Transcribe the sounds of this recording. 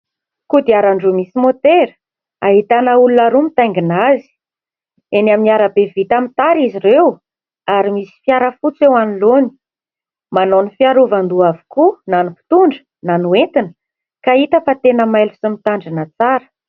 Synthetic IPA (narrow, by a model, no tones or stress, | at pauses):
kud̪iaɾaɳɖ͡ʐumisimot̪eɾə̥ | aɦit̪anəulunaɾumit̪aŋɡinazi̥ | enaminiaɾabevit̪amit̪aɾiziɾew | aɾimisi̥fjaɾəfut͡sewaniloni̥ | manonifiaɾuvand̪uavu̥kunanupi̥t̪uɳɖ͡ʐə̥ | nanuent̪inə̥ | kait̪əfat̪enəmajlusumit̪aɳɖ͡ʐinat͡saɾə̥